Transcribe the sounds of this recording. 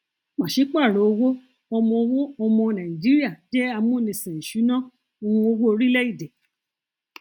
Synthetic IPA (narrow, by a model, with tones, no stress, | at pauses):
mã˨ʃe˨˦k͡pa˦˨ɾo˨˦o˧wo˦ | ɔ˧mɔ̃˧o˧wo˦ɔ˧mɔ̃˧nã˨ĩ˨d͡ʒi˨˦ɾi˦a˦˨d͡ʒɛ˦a˧mũ˦˨nĩ˧˨sĩ˨ñ̩˨ʃu˨˦nã˦ | o˧hũ˧o˧wo˦o˧ɾi˦lɛ˦i˦˨dɛ˨